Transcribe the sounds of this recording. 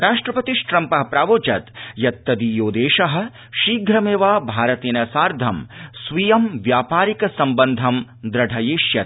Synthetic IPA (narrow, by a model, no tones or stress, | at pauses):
ɾaːʂʈɾɐpɐt̪iʃʈɾɐmpɐɦɐpɾaːʋoːt͡ʃɐt̪jɐt̪ːɐd̪ijoːd̪eːʃɐɦɐ̆ | ʃiːɡʱɾɐmeːʋaːbʱaːɾɐt̪eːnɐsaːɾd̪ʱɐmsʋijɐmʋjaːpaːɾikɐsɐmbɐnd̪ʱɐm | d̪ɾɐɖʱɐjeːʃjɐt̪̚